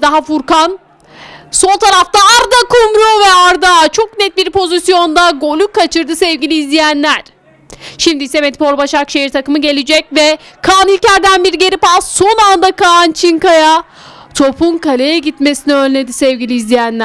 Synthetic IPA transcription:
d̪aɦafuɾkan | so̞lˠt̪ʰaɾaft̪aaɾd̪akʰumɾuvɛaɾd̪at͡ʃʰo̞knɛt̪̚biɾpʰo̞zisjo̞nd̪aɡo̞lʲukʰːat͡ʃʰɯɾd̪ɯsɛvɟilʲiːzlʲijænlʲæɾ̥ | ʃimd̪iisɛmet̪ipʰo̞ɾbaʃakʃejiɾt̪ʰakɯmɯɟe̞lʲid͡ʒɛc̚vɛkʰanilʲcæɾd̪ænbiɾɟe̞ɾipat̪so̞nand̪akant͡ʃʰiŋkaja | t̪ʰo̞pʰunkalʲejɛɟit̪me̞siniø̞nʲlʲed̪isɛvɟilʲiːzlʲijænlʲæ

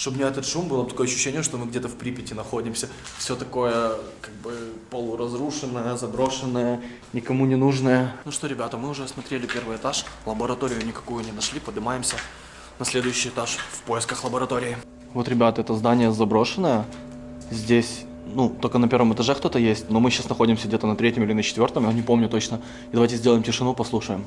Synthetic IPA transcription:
ʂt̪obmnʲeɛt̪ət̪ʂumbɨlˠəb̚t̪ɐkojɐɕːʏ̥ɕːenʲɪjəʂt̪omɨɡ̚dʲet̪əfpɾʲipʲɪtʲɪnɐxodʲɪmsʲə | fsʲot̪ɐko̞jəkaɡ̚bɨpəlˠʊɾɐzɾuʂɨnːəjəzɐbɾo̞ʂɨnːəjə | nʲɪkɐmunʲɪnuʐnəjənuʂt̪oɾʲɪbʲat̪əmɨʊʐɛsmɐt̪ɾʲelʲɪpʲe̞rvɨjɛt̪aʂlˠəbəɾɐt̪o̞ɾʲɪjʊnʲɪkɐ̥kujʊnʲɪnɐʂlʲipəd̪ɨmajɪmsʲə | nɐsʲlʲe̞d̪ʊjʉɕːɪjɛt̪aʂfpo̞jɪskəxlˠəbəɾɐt̪o̞ɾʲɪɪ | vo̞t̪ɾʲɪbʲat̪əɛt̪əzd̪anʲɪjəzɐbɾo̞ʂɨnːəjə | zʲdʲesʲ | nut̪olʲkənɐpʲe̞ɾvəmɨt̪ɐʐɛkt̪o̞t̪əjesʲtʲno̞mɨɕːasnɐxo̞dʲɪmsʲəɡdʲet̪ənɐt̪ɾʲetʲɪmilʲɪnət͡ɕɪ̥t̪vʲo̞rt̪əmjanʲɪpo̞mnʲʊt̪o̞t͡ɕnə | ɪd̪ɐvajʲtʲɪzʲdʲelˠəjɪmtʲɪʂɨnupɐslˠuʂəjɪm

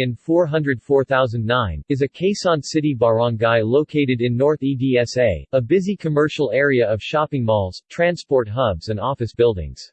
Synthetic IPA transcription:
ɨ̃nfɔɹɦʌ̃ndɹɨd̥fɔɹθaʊzə̃nnãɪ̃nɨzɨkʰeɪsn̩sɪɾibɑɹɑ̃ŋɡaɪloʊkʰeɪɾɨɾɨ̃nːɔɹθidiɛseɪəbɪzikʰɨmɜ˞ʃl̩ˠɛɹiɨʌv̥ʃɑpɪ̃ŋmɔlˠz̥tʰɹ̥æ̃nspɔɹt̚ɦʌbz̥ɨ̃ndɔfɨsb̥ɪlˠdɪ̰̃ŋz̥

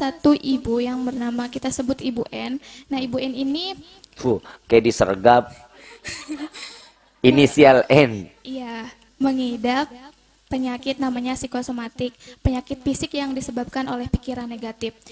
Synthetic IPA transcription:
sat̪uʔibujaŋbərnamakit̪asəbʊt̪ibuʔɛnːahibuɛnini | fukajadisə̰rɡap̚ | inisialɛnija | məŋidap | pːəɲakɪt̪̚namaɲasikosomat̪ɪk̚pəɲakɪt̪̚fisɪkjaŋdisəbap̚kanolɛhpikiɾanːeɡat̪ɪf

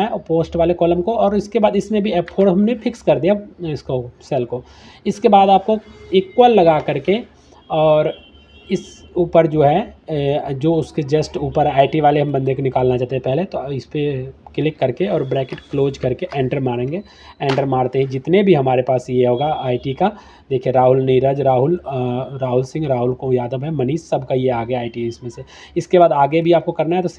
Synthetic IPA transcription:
ɛpoːsʈʋaːlekɔːləmkoɔːɾɪskebaːd̪ɪsnebʱieːpʰoːɖɦɐmnefʰɪkskɐɾd̪ijaɪskosɛlko | ɪskebaːd̪aːp̚koiːkːwəlːɐɡakɐɾke | ɔːɾ | ɪsuːpəɾd͡ʒoːɦɛ | d͡ʒoːʊsked͡ʒesʈuːpəɾɦɛaːɪʈiʋaːleɦɐ̃mbɐ̃nd̪ekonɪkaːlnat͡ʃaːt̪eɦɛpɛɦleɦɛ̃t̪oɪspekɪlɪkːɐɾkeɔːɾbɾɛːkɪʈkloːd͡ʒkɐɾkeʔɛ̃ːɳʈəɾmaːɾẽːŋɡe | ɛ̃ːɳʈəɾmaːɾt̪eɦɛ̃d͡ʒɪt̪nebʱiɦɐmaːɾepaːsjeɦoːɡaaːɪʈika | d̪eːkʰiẽɾaːɦʊlniːɾaːd͡ʒɾaːɦʊlɾaːɦʊlsɪ̃ŋɡɾaːɦʊlkojaːd̪əbɦɛmɐniːʃsɐbkajeaːɡaaːɪʈiɪsmẽse | ɪskebaːd̪aːɡebʱiaːp̚kokɐɾnaɦɛt̪os

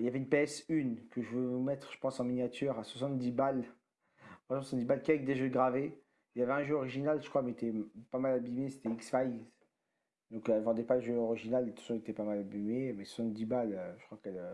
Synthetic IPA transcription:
iljavɛynpeɛsynkəʒəvøvumɛt̪χʒə̥pɑ̃sɑ̃minjat̪ʰyʁaswasɑ̃t̪̚d̪ibal | swasɑ̃t̪d̪ibalkʲiavɛk̚d̪eʒøɡʁave | iljavɛɛ̃ʒøɔʁiʒinalʒə̥kχwamet̪ɛpamalabimese̥t̪ɛiksfaj | d̪ɔ̃kɛlvɑ̃d̪ɛpaləʒøɔʁiʒinalt̪ɑ̥̃sɔ̃et̪ɛpamalabimemɛswasɑ̃t̪̚d̪ibaløʒə̥kχwakɛlø

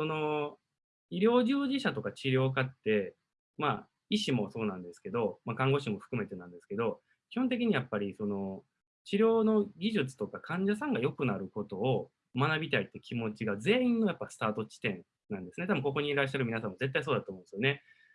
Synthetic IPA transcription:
so̞no̞ | iɾʲjo̞ːʑɨːʑiɕat̪o̞kat͡ɕiɾʲjo̞ːkat̪ːe̞ | ma̰ | iɕimo̞so̞ːnãnd̪e̞sɨ̥ke̞d̪o̞makãŋɡo̞ɕĩmo̞ɸɯ̟̥kɯ̟me̞t̪e̞nãnd̪e̞sɨ̥ke̞d̪o̞ | kʲi̥hont̪̬e̞k̬ʲiɲ̟ijapːaɾʲisono̞ | t͡ɕiɾʲo̞ːno̞ɡʲiʑɨt͡sɨ̥t̪o̞kakʰãɲ̟d͡ʑasãŋɡajo̞kɯ̟naɾɯ̟ko̞t̪o̞ː | manabʲit̪ait̪ːe̞kʲʰimo̞t͡ɕiɡad͡ze̞ːĩnːo̞japːasɨ̥t̪aːt̪o̞t͡ɕi̥t̪ẽ̞n | nːãnd̪e̞sɨne̞t̪abɯ̟ŋko̞ko̞ɲ̟iɾaɕ̬ːaɾɯmʲinasãmːo̞d͡ze̞t̪ːais̬oːd̪at̪oːmõnd̪esjo̞ne̞

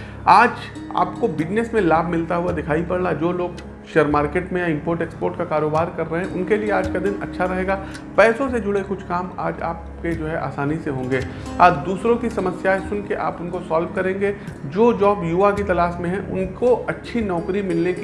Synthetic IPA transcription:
aːd͡ʒ | a̰ːpkobɪd͡ʒnesmẽlaːbʱmɪlt̪aɦʊad̪ɪkʰaːipɐɽlad͡ʒoːloːɡ | ʃeːəɾmaːɾkeːʈmẽjaɪ̃mpoːɾʈeːkspoːɾʈkakaːɾoːbaːɾkɐɾːɛɦeɛ̃ʔʊnkelieaːd͡ʒkad̪ɪnɐ̰tːʃʰaɾɐɦeːɡaː | pɛːsõsed͡ʒʊɽekʊt͡ʃʰkaːma̰ːd͡ʒa̰ːp | ked͡ʒoːɦɛʔa̰ːsaːniseɦõːŋɡeː | aːd͡ʒd̪uːsɾõkisɐməsjaːesʊnkeʔa̰ːpʊnkosaːlʋkɐɾẽːŋɡed͡ʒoːd͡ʒaːbjuːakit̪ɐlaːʃmẽɦɛ̃ʔʊ̰nkoɐtːʃʰinɔːkɾimɪlnek

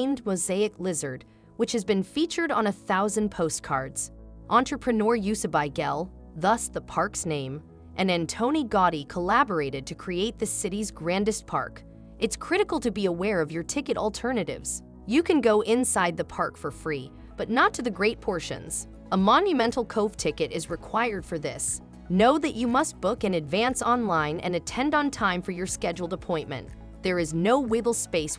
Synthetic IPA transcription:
ɪ̃ndmoʊzeɪɨklɪzə˞d̚ | wɨt͡ʃhɨzbɨ̃nfit͡ʃə˞ɾn̩ɨθaʊzɨ̃npʰoʊstkʰɑ̰ɹdz̥ | ʔɑ̃ntɹ̥əpʰɹ̥ɨnɔɹjʉsɨbaɪɡɛlˠ | ðʌsðəpʰɑɹksnẽɪ̃m | ʔɨ̃næ̃ntʰõʊ̃ñiɡɑɾikʰəlæbə˞eɪɾɨd̚tʰɨkʰɹ̥ieɪt̪̚ðɨsɪɾizɡɹæ̃ndɨst̚pʰɑ̰ɹk | ɨtskʰɹ̥ɪɾɨkl̩ˠtʰɨbiəwɛɹʌvjə˞tʰɪkɨɾl̩ˠtʰɜ˞nɨɾɪ̰vz̥ | jɨkʰɨ̃nɡoʊʔɪ̃nsaɪd̪̚ðɨpʰɑɹkfə˞fɹi | b̥ʌtⁿnətʰɨðɨɡɹeɪt̚pʰɔɹʃɨ̰̃nz̥ | əmɑ̃njɨmɛ̃ntˡl̩ˠkʰoʊv̥tʰɪkɨɾɨzɹɨkʰw̥aɪə˞d̥fə˞ðɪs | noʊðɨt͡ʃɨmʌst̚b̥ʊkɨ̃nɨdvæ̃nsɑ̃nlãɪ̃nʔɨ̰̃nɨtʰɛ̃ndn̩tʰãɪ̃ɱfə˞jə˞skɛd͡ʒl̩ˠdəpʰɔ̃ɪ̃nmɨ̰̃n | ðə˞ɨznoʊwɪbl̩ˠspeɪs

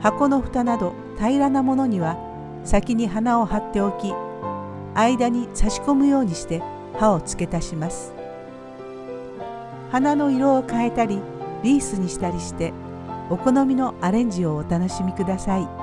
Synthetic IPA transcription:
hako̞no̞ɸɯ̥t̪anad̪o̞ | t̪ʰaiɾanamo̞no̞ɲ̟iβa | sakʲiɲ̟iɦanao̞hat̪ːe̞o̞kʲi | aid̪aɲ̟isaɕi̥ko̞mɯ̟jo̞ːɲ̟iɕi̥t̪e̞ | hao̞t͡sɨ̥ke̞t̪aɕimasɨ̥ | hanano̞iɾo̞ːkae̞t̪aɾʲi | ɾʲiːsɨɲ̟iɕi̥t̪aɾʲiɕi̥t̪e̞ | o̞ko̞no̞mʲino̞aɾẽ̞ɲ̟d͡ʑio̞ːt̪ano̞ɕimʲikɯ̟d̪asai

